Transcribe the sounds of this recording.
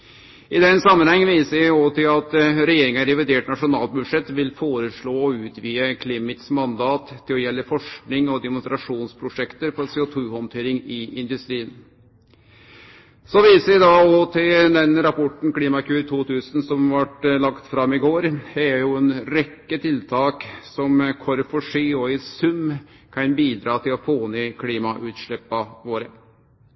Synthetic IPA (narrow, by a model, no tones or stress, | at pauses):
ɪd̪ɛnsɑmːənhɛŋːənʋiːsəɾɪɔt̪ʰɪlɑt̪ɾɛjeːɾɪŋəɾɛʋɪd̪eːʈnɑʂʊnɑːlbʉd̪ʂɛt̪ʋɪlfoːɾəʂɭoːɔʉːt̪ʋiːəkʰlɪmɪt̪smɑnd̪ɑːt̪ʰːɪlɔjɛlːəfɔʂknɪŋɔd̪ɛmʊnst̪ɾɑʂuːnspʰɾʊʂɛkt̪əɾfɔɾseːʊt̪ʰʉːhɔnt̪ʰeːɾɪŋɪɪnd̪ʉst̪ɾiːən | sɔʋiːsəɾʋɪd̪ɑɔt̪ʰɪld̪ɛnɾɑpʰɔʈn̩kliːmɑkʉːɾt̪ʰuːt̪ʰʉːsnsɔmʋɑʈlɑkt̪fɾɑmːɪɡoːɾɛɾjʊɛnɾɛkːət̪ʰɪlt̪ʰɑːksɔmkʰɔɾfɔʂiːɔɪsʉm | kʰɑnbiːd̪ɾɑːt̪ʰɪlɔfoːnyːkʰliːmɑʔʉːt̪ʂɭɛpːɑʋoːɾə